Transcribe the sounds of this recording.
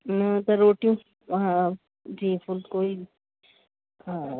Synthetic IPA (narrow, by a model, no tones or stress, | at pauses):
nɐt̪ɐɾoːʈjũ | ã | d͡ʒiːfʊlkoːi | a